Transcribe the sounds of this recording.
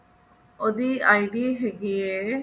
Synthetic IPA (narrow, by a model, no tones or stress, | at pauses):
oːd̪iːaːiɖiːɦeɡieː